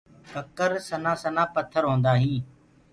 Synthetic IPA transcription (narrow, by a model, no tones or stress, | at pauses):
kəkəɾsənãːsənãːpət̪ʰːəɾɦõːnd̪aːɦĩː